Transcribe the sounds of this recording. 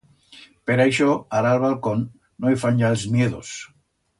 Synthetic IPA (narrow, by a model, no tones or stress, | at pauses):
peɾejʃoaɾalβalkonː | oifanʲʒaelzmjeðos